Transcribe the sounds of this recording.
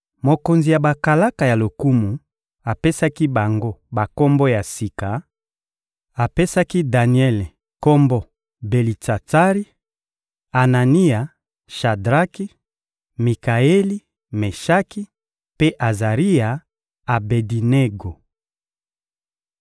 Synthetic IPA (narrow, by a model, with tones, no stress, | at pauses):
mo˨ko˨nzi˨ja˨ba˨ka˨la˦ka˨ja˨lo˨ku˦mu˨ | a˨pe˦sa˦ki˦ba˨ŋɡo˦ba˨ko˦mbɔ˦ja˨si˨ka˨ | a˨pe˦sa˦ki˦da˨ni˨ɛ˦le˨ | ko˦mbɔ˦ | be˨li˨ta˨ta˦ʁi˦ | a˨na˨ni˦ja˨ | ʃa˨dʁa˦ki˦ | mi˨ka˨e˦li˦ | me˨ʃa˦ki˦ | pe˦ʔa˨za˨ʁi˦ja˨ | a˨be˨di˨ne˦ɡo˨